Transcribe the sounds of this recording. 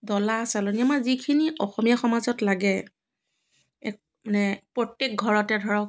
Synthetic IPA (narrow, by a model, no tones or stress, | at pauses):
dɔlasalɔniamaɹzikʰiniʔɔxɔmijaxɔmazɔtlaɡɛ | ɛ̰k̚ | manɛpɹɔtːek̚ɡʱɔɹɔtɛdʱɔɹɔk